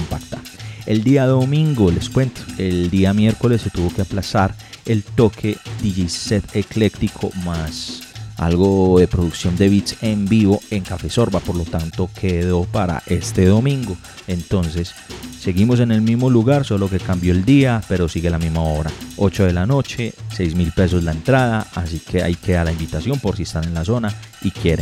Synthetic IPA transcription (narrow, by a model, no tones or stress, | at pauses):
ompakt̪ae̞ld̪iaðo̞mĩŋɡo̞le̞skwe̞nt̪o̥eld̪iamje̞ɾko̞le̞sːe̞t̪uβo̞keaplasaɾ | e̞lt̪o̞kʰe̞d̪̥iʝiset̪ekle̞kt̪ikʰo̞̰masa̰lɡo̞ðe̞pɾo̞ðuksjo̞nd̪e̞βit̪se̞mbiβo̞e̞ŋkafe̞so̞ɾbapo̞ɾlo̞t̪ant̪o̞kʰeðo̞paɾa̰ʔe̞st̪e̞ðo̞mĩŋɡo̞ | ent̪o̞nse̞sː | e̞ɣimo̞s̬e̞ne̞lmizmo̞luɣaɾsolo̞ke̞kambjo̞eld̪iape̞ɾo̞siɣe̞lamizmao̞βɾao̞t͡ʃo̞ðe̞lano̞t͡ʃe̞sejzmilpe̞s̬o̞zlaent̪ɾaðaasikʰe̞a̰jkʰealaimbit̪asjo̞mpo̞ɾs̬iest̪ane̞nlaso̞naikjeɾe